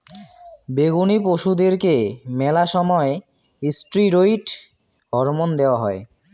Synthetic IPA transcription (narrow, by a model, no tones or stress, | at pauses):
beɡunip̬oʃud̪eɾkemɛlaʃɔmɔe | isʈɾiɾoiʈ | ɦɔɾmond̪eoaɦɔe